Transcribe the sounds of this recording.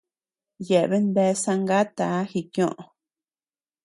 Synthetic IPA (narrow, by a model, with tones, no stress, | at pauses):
je˨ʔβe˦nd̪e˧˦˧sã˧ŋɡa˦t̪a˨˦xi˧kjõ˦ʔõ˨˧